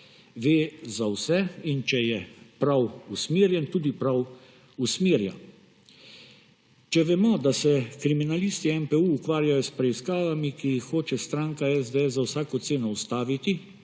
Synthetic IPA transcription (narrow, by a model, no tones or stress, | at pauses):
ʋeːzawsɛint͡ʃɛjɛpɾawusmiːɾjɛnt̪uːd̪ipɾaw | usmiːɾja̰n | t͡ʃɛʋɛmɔd̪asɛkɾiminalist̪iɛmpɛuːkʋaːɾjajɔspɾɛiskaːʋamikijixːoːt͡ʃɛst̪ɾaŋkaɛzd̪ɛɛszawsaːkɔt̪seːnɔust̪aːʋit̪i